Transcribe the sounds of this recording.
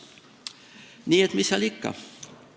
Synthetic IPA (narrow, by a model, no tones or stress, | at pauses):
niːet̪misːælikːɑ̰